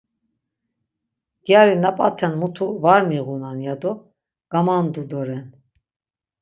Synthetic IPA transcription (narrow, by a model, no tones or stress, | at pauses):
ɡ̥jaɾinapʼat̪ʰɛnmut̪ʰuvaɾmiɣunanjad̪ɔ | ɡ̥amand̪ud̪ɔɾɛn